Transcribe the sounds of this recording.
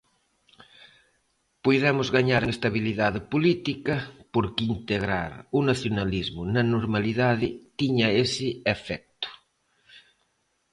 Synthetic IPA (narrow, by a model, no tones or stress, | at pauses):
pojðɛmʊzɣaɲaɾeest̪aβ̞iliðaðɪpolit̪ikɐpoɾkint̪eɣɾa̰ɾunaθjonalizmʊnɐnoɾmaliðaðɪt̪iɲɐesɪefɛk̚t̪ʊ̥